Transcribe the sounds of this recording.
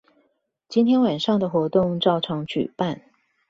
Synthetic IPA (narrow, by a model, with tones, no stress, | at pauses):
t͡ɕi˥nt̪ʰjɛ˥nwa˨˩nʂɑ˥˩ŋd̪ə˩xwɔ˧˥t̪ʊ˥˧ŋʈ͡ʂɑ˥˩ʊʈ͡ʂʰɑ˧˥ŋt͡ɕy̰˨˩pa˥˩˨n